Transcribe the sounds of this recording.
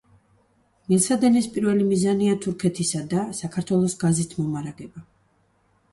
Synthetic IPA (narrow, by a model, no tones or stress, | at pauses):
nilˠt̪sʰad̪ɛnispʼiɾvɛlimizaniat̪ʰuɾkʰɛt̪ʰisad̪asakʰaɾt̪ʰwɛlˠɔsɡazit̪ʰmɔmaɾaɡɛba